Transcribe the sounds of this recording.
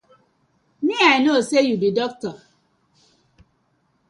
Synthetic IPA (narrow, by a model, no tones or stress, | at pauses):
miaɪnosejubidɔk̚tɔ